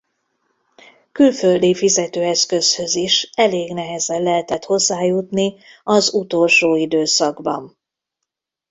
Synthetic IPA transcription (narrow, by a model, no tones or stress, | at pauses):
kylføld̪ifizɛt̪øːɛskø̞shø̞ziʃɛleːɡnɛɦɛzɛllɛɦɛt̪ɛt̪ho̞zːaːjut̪niɒzut̪o̞lʃoːid̪øːsɒɡbɒ̰n